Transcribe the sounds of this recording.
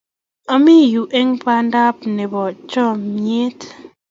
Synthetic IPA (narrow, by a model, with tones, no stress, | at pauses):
ɔ˦mi˦ju˨ʔe˦ŋpa˦nda˦p̚ne˨bɔ˨t͡ʃɔ˦˨mje˦t